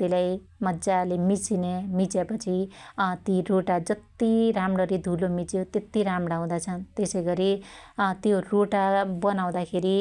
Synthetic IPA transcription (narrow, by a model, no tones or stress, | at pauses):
t̪elaj | mʌdd͡zalemit͡sinemit͡sepʌt͡sʰit̪iroʈad͡zʌt̪iɾamɽʌɾid̪ʱulomit͡sjot̪jet̪iɾamɽʌaw̃d̪at͡sʰʌnt̪esʌjɡʌɾit̪joroʈabʌnaw̃d̪akʰeɾi